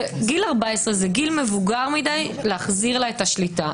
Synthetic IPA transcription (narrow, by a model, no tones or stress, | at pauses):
ɡilaʁbaesʁezeɡilmevuɡaʁmid̪ajleaχziʁlaetaʃlita